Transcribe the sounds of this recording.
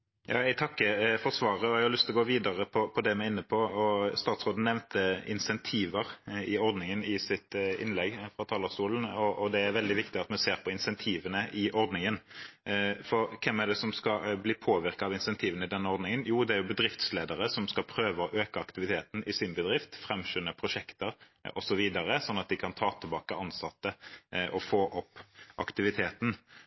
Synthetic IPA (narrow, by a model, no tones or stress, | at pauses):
jɑ̰ːɛɪt̪ʰɑkːəfɔʁsʋɑːɾəɔɛɡhɑɾlʏst̪lɔɡoːʋiːd̪ɑʁəpʰɔpʰɔd̪ɛmɛɪnːəpʰɔɔst̪ɑːt̪sʁoːd̪n̩nɛʋnt̪əɪ̰nsɛnt̪ʰiːʋəɾɪɔɾd̪nɪŋənɪsɪt̪ɪ̰nlɛɡfɾɑt̪ʰɑːləst̪uːlən̩ɔɔd̪ɛæɾʋɛld̪ɪʋɪkt̪ɪɑt̪mɛseːɾpʰɔɪnsɛnt̪ʰiːʋənəʔɪʔɔɾd̪nɪŋən | fɔɾkʰɛmːæɖ̪ɛsɔmskɑbliːpʰoːʋɪɾkɑɑʋɪnsɛnt̪ʰiːʋənəɪd̪ɛnːəɔʁd̪nɪŋənjuːd̪ɛæɾjʊbəd̪ɾɪft̪sleːd̪əɾəsɔmskɑlpʰɾøːʋəɔʔøːkəɑkt̪ɪʋɪt̪ʰeːt̪n̩ɪsɪnbəd̪ɾɪft̪fɾɛmʃʏnːəpʰɾʊʃɛkt̪əɾ | ʔɔsɔʋiːd̪ɑɾəsɔnːɑt̪̚d̪ɪkʰɑnt̪ʰɑːt̪ʰɪlbɑːkəɑnsɑt̪ːəʔɔfoːʔɔpːʔɑ̰kt̪ɪʋɪt̪ʰeːt̪n̩